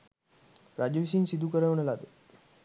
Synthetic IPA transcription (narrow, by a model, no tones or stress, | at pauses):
ɾad͡ʒəʋisinsid̪ʱukəɾəʋənəlad̪ə